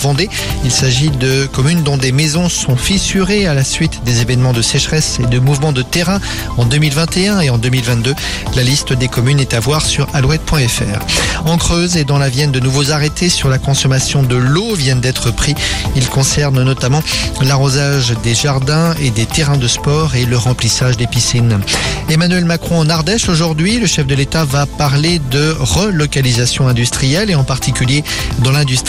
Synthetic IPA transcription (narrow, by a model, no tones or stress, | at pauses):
vɑ̃d̪e | ilsaʒid̪əkɔmynd̪ɔ̃d̪emezɔ̃sɔ̃fisyʁealasɥit̪d̪ezevɛnmɑ̃d̪əsɛʃχɛsed̪əmuvmɑ̃d̪ət̪eʁɛ̃ | ɑ̃d̪ømilvɛ̃t̪eɛ̃eɑ̃d̪ømilvɛ̃t̪̚d̪ø | lalist̪əd̪ekɔmynɛt̪avwaʁsyʁalwɛt̪̚pwɛ̃ɛfɛ̰ːʁɑ̃kχøzed̪ɑ̃lavjɛnd̪ənuvozaʁet̪ʰesyʁlakɔ̃sɔmasjɔ̃d̪əlovjɛnd̪ɛt̪χəpχiilkɔ̃sɛʁnnɔt̪amɑ̃laʁozaʒd̪eʒaʁd̪ɛ̃ed̪et̪eʁɛ̃d̪əspɔʁeləʁɑ̃plisaʒd̪episinemanyɥɛlmakχɔ̃ɑ̃naʁd̪ɛʃoʒuʁd̪ɥiləʃɛfd̪əlet̪avapaʁled̪əʁəlɔkalizasjɔ̃ɛ̃d̪yst̪χijɛleɑ̃paʁt̪ikʲyljed̪ɑ̃lɛ̃d̪yst̪